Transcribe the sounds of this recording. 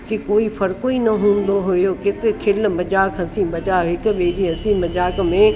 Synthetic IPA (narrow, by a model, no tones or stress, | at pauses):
kikoːifɐɾkoinɐɦũːn̆d̪oɦʊjokɪt̪ekʰɪlmɐd͡ʒaːkɦɐsĩmɐd͡ʒaːkɦɪk̆ɓeːd͡ʑiɦɐsĩmɐd͡ʒaːkmẽ